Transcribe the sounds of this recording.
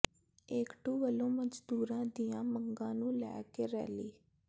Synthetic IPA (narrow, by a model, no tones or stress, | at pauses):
eːkʈuːʋəlõːməd͡ʒd̪uːɾãːd̪ijãːməŋɡãːnũːlɛ̰ːkeːɾɛ̰ːliː